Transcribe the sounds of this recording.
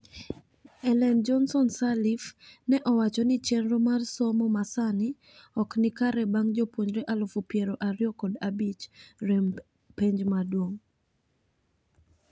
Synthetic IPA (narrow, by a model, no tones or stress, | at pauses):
ɛlɛnd͡ʒɔnsɔnsalifnɛʔɔwat͡ʃɔnɪt͡ʃɛnɾomarsɔmɔmasanɪ | ɔknɪkaɾɛbaŋd͡ʒɔpwoɲɾɛʔalʊfupjɛɾoʔaɾjɔkɔdabit͡ʃɾem | peɲd͡ʒmadwoŋ